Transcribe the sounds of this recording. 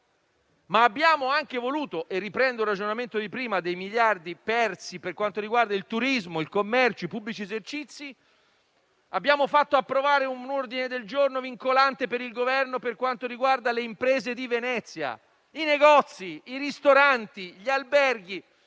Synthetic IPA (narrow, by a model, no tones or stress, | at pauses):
maːbːjaːmoaŋkevoluːt̪oʔerːipɾɛnd̪oɾad͡ʒonament̪od̪ipɾiːmad̪ejmiʎjard̪ipɛrt̪siperkwant̪oɾiɡward̪ailt̪uɾizmoilkomːɛrt͡ʃoipubːlit͡ʃiezert͡ʃit̪sːi | abːjaːmofat̪ːoapːɾovaːɾeunord̪ined̪eld͡ʒornoviŋkolant̪epeɾilɡovɛrnoperkwant̪oɾiɡward̪aleimpɾeːzed̪ivenɛt̪sːja̰ | ineɡɔt̪sːiiɾist̪oɾant̪iʎialbɛrɡi